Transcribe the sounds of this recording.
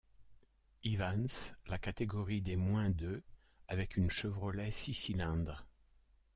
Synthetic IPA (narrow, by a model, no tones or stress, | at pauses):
ivanslakat̪eɡɔʁid̪emwɛ̃d̪ø | avɛkynʃəvʁəlɛsisilɛ̃d̪ʁ